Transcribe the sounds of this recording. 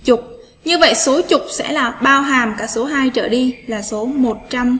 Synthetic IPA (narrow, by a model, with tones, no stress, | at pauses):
t͡ɕʊ˨˩k͡p̚ | ɲɨ˧və̰˧˨jso˨˦t͡ɕʊ˨˩k͡p̚sɛ̰˧˥laː˨˩ɓaː˧wɦaː˨˩mkaː˧˩k̚so˨˦ɦaː˧jt͡ɕəː˧˩ɗi˧laː˨˩so˨˦mo˨˩t̚t͡ɕa˧m